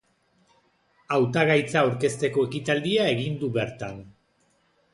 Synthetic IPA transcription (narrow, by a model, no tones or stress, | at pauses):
awt̪aɣajt͡saawɾke̞st̪e̞ko̞e̞kit̪ald̪iae̞ɣind̪uβe̞ɾt̪an